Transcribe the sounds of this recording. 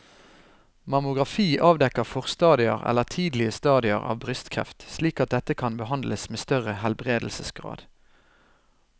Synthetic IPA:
mɑmʊɡʁɑfiːʔɑːʋd̪ɛkəʁfɔʁst̪ɑːd̪ɪə̰ʁɛ̰ləʁt̪ʰiːd̪l̩ɪəst̪ɑːd̪ɪə̰ʁɑ̰ːʋbʁʏst̪kʰʁɛ̰ft̪sliːkɑt̪̚d̪ɛt̪əkʰɑnbəhɑnd̪lʔəsmeːst̪œʁəhɛlbʁeːd̪l̩səsɡʁɑ̰ːd̪̥

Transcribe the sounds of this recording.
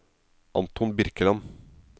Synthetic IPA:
ʔɑ̰nt̪ʰʊnbɪɾkəlɑn

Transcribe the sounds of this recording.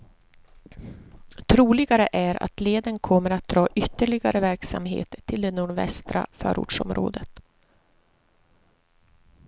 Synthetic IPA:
t̪ʰɾuːlɪɡaɾəʔæɾa̰t̪leːd̪ənkʰɔmːəɾat̪̚d̪ɾɑːʔʏt̪ːəɭɪɡaɾəvæɾksa̰mɦḛːt̪t̪ʰːɪld̪ɛnuːɖvɛ̰st̪ɾa̰fœ̰ːɾṵːʈʂɔmɾo̰ːd̪ət̪

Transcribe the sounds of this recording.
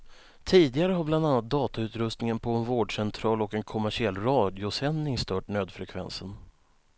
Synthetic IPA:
t̪ʰiːd̪ɪɡaɾəɦabland̪anːat̪̚d̪ɑːt̪aʉ̟ːt̪ɾɵst̪nɪŋənpʰɔɛnvoːɖʂɛnt̪ʰɾɑːlɔkɛnkʰɔmæʂɪɛlːɾɑːd̪ɪʊsɛnːɪŋst̪œːʈnøːd̪fɾɛkʰvɛ̰nsən

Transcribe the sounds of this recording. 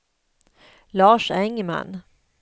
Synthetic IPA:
lɑːʂɛŋːma̰n

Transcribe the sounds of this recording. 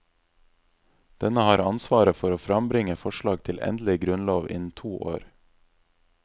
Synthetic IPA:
d̪̥ɛnəhɑːɾɑnsʋɑːɾəfɔɾoːfɾɑmbɾɪŋəfɔʃɭɑːɡ̚t̪ʰɪlʔɛ̰nd̪l̩ɪɡɾʉnloːʋʔɪ̰nt̪ʰuːʔo̰ːɾ

